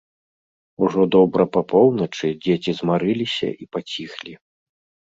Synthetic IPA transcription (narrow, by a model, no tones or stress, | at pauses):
uʐɔd̪ɔbɾɐpapʰɔwnɐt͡ʂɨd͡zʲet͡sʲizmaɾɨlʲisʲɐ̰ʔipat͡sʲixlʲi